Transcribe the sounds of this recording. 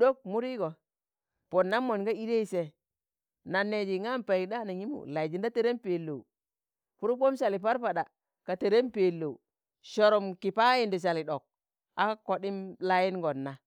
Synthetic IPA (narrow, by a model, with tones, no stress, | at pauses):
do˦k̚mu˦ɾi˦ɡo˨ | po˨nːa˦mːo˨nɡa˦i˦de˦i˨se˨ | na˨nːe˨d͡ʒi˨ŋa˦mpa˨i˨da˦na˨ɲi˦mṵ˨la˨i˨d͡ʒi˨nda˦te˦ɾe˦mpe˨lːo˨u˨ | pu˦ɾu˦p̬o˦mʃa˨li˨p̬a˦ɾpa˨ɗa˨ | ka˨te˨ɾe˦mpe˨lːo˨ | ʃo˨ɾo˨mki˨pa˦ji˨ndi˨ʃ̬a˨li˨ɗo˨k̚ | a˦ko˨ɗi˦mla˦ji˦nɡo˨nːa˨